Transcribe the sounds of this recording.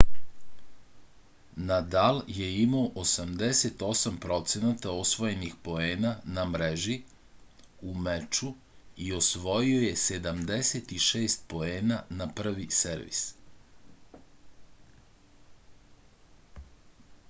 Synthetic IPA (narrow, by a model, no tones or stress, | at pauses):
nad̪alje̞imaoʔosamd̪ese̞t̪o̞sampɾo̞t̪senat̪aosʋo̞jenixpo̞eːnanamɾeʒi | umet͡ʃu | io̞sʋo̞jio̞je̞se̞d̪amd̪eset̪iʃeːst̪̚po̞eːnanapr̩ʋiseɾʋḭs